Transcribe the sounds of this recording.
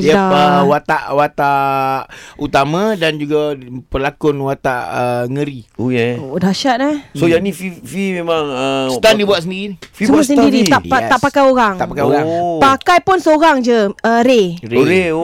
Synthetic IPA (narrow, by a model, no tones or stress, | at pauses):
jaaəwat̪aʔwat̪aʔ | ut̪amãdand͡ʒuɡapəlakʊnwat̪aʔəŋəɾiojedaʃat̪̚dasojanĩfifimemaŋəsət̪andibuat̪̚səndiɾiniəmuas̬əndiɾit̪aʔat̪aʔpakajoɾaŋt̪aʔpakajoɾapakajpʊnsəoɾaŋd͡ʒəəɾeɾee